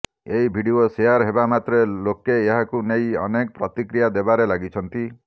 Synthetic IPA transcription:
eibʱiɽioseaɾɦebamat̪ɾelokeːɦakunejɔ̰nekɔpɾɔt̪ikɾijad̪ebaɾelaɡit͡ʃʰɔnt̪i

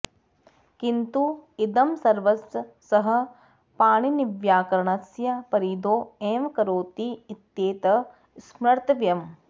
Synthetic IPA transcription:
kint̪uid̪ɐmsɐɾʋɐsː | ɐɦɐ̆ | paːɳiniʋjaːkɐɾɐɳɐsjɐpɐɾiːd̪oːeːmkɐɾoːt̪iːt̪jeːt̪ɐ | smɾɐɾt̪ɐʋjɐm

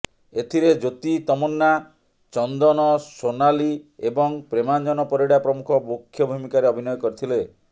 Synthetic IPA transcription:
et̪ʰiɾed͡ʒot̪it̪ɔmɔnːa | t͡ʃɔnd̪ɔnɔsonaliebɔŋpɾemand͡ʒɔnɔpɔɾiɽapɾɔmukʰɔbokʰːjɔbʱumikaɾeɔbʱinɔjɔkɔɾit̪ʰile

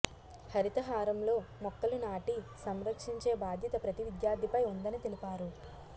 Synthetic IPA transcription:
hɐɾit̪ɐɦaːɾɐmlo̞ːmɔkːɐlunaːʈisɐmɾɐkʂiɲt͡ʃe̞ːbaːd̪ʱjɐt̪ɐpɾɐt̪iʋid̪jaːɾd̪ʱipɐjund̪ɐnit̪elipaːɾu

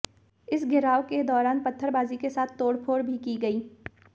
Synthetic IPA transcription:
ɪsɡɪɾaːʋked̪ɔːɾaːnpɐt̪ʰːəɾbaːzikesaːt̪ʰːoːɽpʰoːɾbʱikiɡɐiː

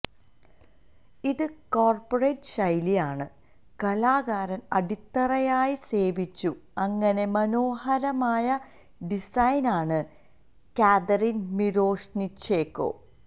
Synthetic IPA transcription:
iðɨkoːrporejʈʂɐjlijaːɳɨ | kɐlaːɡaːɾɐnɐɽit̪ːɐrɐjaːjise̞ːʋit͡ɕːuɐŋːɐne̞mɐno̞ːhɐɾɐmaːjɐ | ɖisɐjnaːɳɨ | kaːd̪ɐrinmiɾo̞ːʂnit͡ɕeːkːo̞̰ː

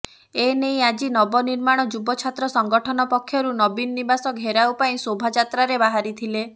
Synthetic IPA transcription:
enej̃ad͡ʒinɔbɔniɾmaɽ̃ɔd͡ʒubɔt͡ʃʰat̪ɾɔsɔŋɡɔʈʰɔnɔpɔkʰːjɔɾunɔbinːibasɔkɦeɾawpaĩsobʱad͡ʒat̪ɾaɾebaɦaɾit̪ʰile

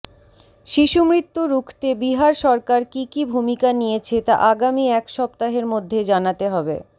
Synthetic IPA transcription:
ʃiʃumɾit̪ːuɾukʰt̪ebiɦaɾʃɔɾkaɾkikibʱumikanijet͡ɕʰet̪a̰ʔaɡamiɛkʃɔb̚t̪aɦeɾmod̪ʱːed͡ʑanat̪eɦɔbḛ

